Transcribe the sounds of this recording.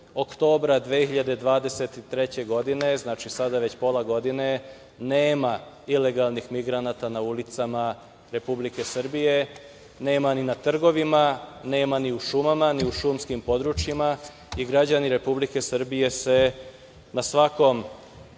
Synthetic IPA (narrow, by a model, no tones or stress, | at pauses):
okt̪o̞ːbɾad̪ʋeːxiʎad̪ed̪ʋaːd̪e̞set̪it̪ɾe̞t͡ɕe̞ɡo̞d̪ine̞znaːt͡ʃisad̪aʋe̞t͡ɕpo̞lˠaɡo̞d̪ine̞ | neːma | ile̞ɡalˠnixmiɡɾanaːt̪anaulit̪sama | ɾe̞publike̞sr̩bije̞ | ne̞ːmaninat̪r̩ɡo̞ʋimane̞ːmaniuʃumamaniuʃumskimpo̞d̪ɾut͡ʃjima | iɡɾad͡ʑaniɾe̞publike̞sr̩bije̞se̞ | nasʋako̞m